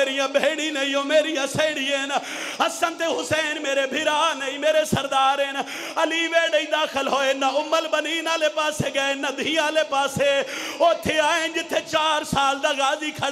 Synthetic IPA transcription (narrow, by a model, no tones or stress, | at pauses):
eːɾijãːbeːɽĩːnəĩːoːmeːɾijãːsẽːɽiːẽn | əsənt̪eːɦʊseːnmeːɾeːbʱɪɾaːnəĩːmeːɾeːsəɾd̪aːɾen | əliːʋeːɽəĩːd̪aːkʰəlɦoːeːnaʊmːəlbəniːnãːleːpaːseːɡəeːnad̪ʱĩːãːleːpaːseːoːt̪ʰːeːaːend͡ʒɪt̪ʰːeːt͡ʃaːɾsaːld̪aːɡaːziːkʰə